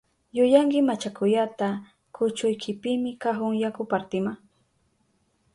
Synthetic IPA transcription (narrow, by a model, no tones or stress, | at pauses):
jʊjaŋkɪmat͡ʃakʊjat̪a | kʰʊt͡ʃʊjkʰɪpɪmɪkaɦʊŋjakʊpaɾt̪ɪma